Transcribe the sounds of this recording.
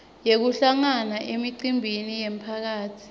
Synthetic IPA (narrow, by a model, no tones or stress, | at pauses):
jek̬uɬaŋanaʔemiǀimbʱinijem̩pʰak̬aːtʰi̥